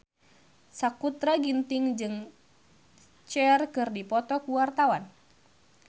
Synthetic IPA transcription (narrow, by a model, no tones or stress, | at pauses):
sakut̪ɾaɡint̪ɪŋd͡ʒɨŋ | t͡ʃɛrkɨrdipɔt̪ɔkuwart̪awan